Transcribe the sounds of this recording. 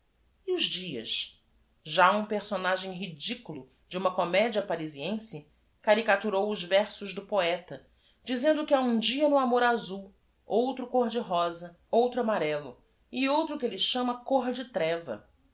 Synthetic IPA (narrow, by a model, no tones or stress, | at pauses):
iʊʒd͡ʒiɐ̰ʃ | ʒaũpeχsonaʒẽj̃ɦid͡ʒikulˠʊ | d͡ʒɪũmɐkomɛd͡ʒiɐpaɾiziẽsɪ | kaɾikat̪uɾowʊzvɛɾsʊʒd̪ʊpoɛt̪ɐ | d͡ʒizẽnd̪ʊkɪaũd͡ʒiɐnʊamoɾazuw | owt̪ɾʊkoɾd͡ʒɪɦɔzɐ | owt̪ɾʊamaɾɛlʊ̰ | ɪowt̪ɾʊkɪelɪʃɐ̃mɐkoɾd͡ʒɪt̪ɾɛvɐ̰